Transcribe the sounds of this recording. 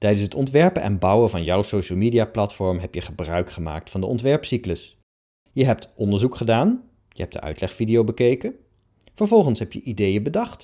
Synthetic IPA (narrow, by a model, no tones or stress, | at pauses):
tɛjdənshɦətɔntʋɛɹpənʔɛ̰nbʌwəvɑnjɔwsowʃəlˠmiːdijaːplɑtfɔɹmɦɛpjəχəbrœɥkχəma̰ːk̚tfɑndəʔɔ̰ntʋɛɹpsikləs | jəɦɛp̚tʔɔndəɹzukχədaːn | jə̰ɦɛp̚d̥ə̰ʔœ̰ɥtlɛχfidiowbəkejkə | v̥əɹvɔlˠχənsɦɛpjə̰ʔidejəbədɑχt